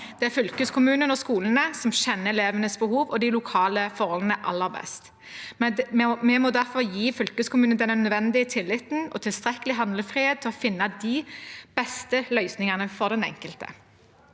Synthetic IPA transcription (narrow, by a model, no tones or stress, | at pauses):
d̪̥ɛæʁfʏlkəskʰʊmʉːnənɔskuːlənəsɔmɕɛnːəɛleːʋənəsbəɦuːʋɔd̪ɪlʊkʰɑːləfɔʁɔlənəʔɑ̰lːəʁbɛ̰st̪ | mmɛmɔd̪æʁfɔʁjiːfʏlkəskʊmʉːnnd̪ɛnːənœd̪ʋɛnd̪ɪət̪ʰɪlːɪt̪n̩ɔt̪ʰɪlst̪ʁɛkəlɪɦɑnd̪ləfʁiːheːt̪ʰːɪlɔfɪnːɑd̪ɪb̥ɛst̪əlœʏsnɪŋɑnəfɔʁd̪ɛnɛ̰ŋkəlt̪ə̰